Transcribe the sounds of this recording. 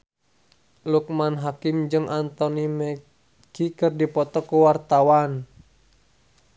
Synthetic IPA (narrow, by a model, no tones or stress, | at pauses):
luk̚manɦakɪmd͡ʒɨŋʔant̪ɔnimə | ɡikɨrdipɔt̪ɔkuwart̪awan